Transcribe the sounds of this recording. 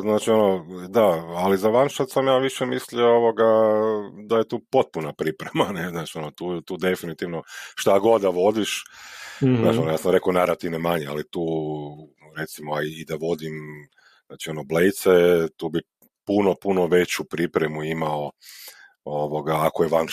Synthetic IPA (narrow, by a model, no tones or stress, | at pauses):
znaːt͡ʃio̞nod̪aalizaʋanʃat̪samjaːʋiʃɛmisliooʋo̞ɡa | d̪aje̞t̪uːpo̞t̪̚punapɾipɾemaneznaːt͡ʃio̞not̪uːt̪uːd̪e̞finit̪iʋno̞ʃt̪aɡo̞d̪aʋo̞d̪iʃ | znaːionojaːsamɾe̞konaɾat̪iʋnomaɲea̰lit̪uː | ɾe̞t̪simoaiːd̪aʋo̞d̪im | znaːt͡ʃio̞noblejt̪set̪uːbi | puno̞puno̞ʋe̞t͡ɕupɾipɾemuimao | oʋo̞ɡaːkojeʋan